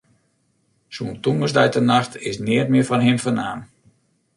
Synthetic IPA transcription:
suːntuŋəsdɛjtənaxtʰɪsnɪətmɪəfɔnɦɪmfənaːn

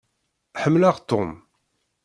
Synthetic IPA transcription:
ħəmːlaʁt̪ːʊm

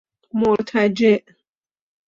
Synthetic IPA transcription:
moɾt̪ʰad͡ʒeʔ

